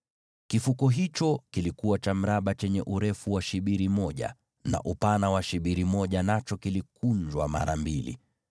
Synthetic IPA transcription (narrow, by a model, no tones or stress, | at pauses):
kifukɔɦit͡ʃɔkilikuwat͡ʃam̩ɾaɓat͡ʃɛɲɛʔuɾɛfuwaʃiɓiɾimɔʄa̰ | na̰ʔupanawaʃiɓiɾimɔʄanat͡ʃɔkilikund͡ʒwa̰ma̰ɾa̰mbilḭ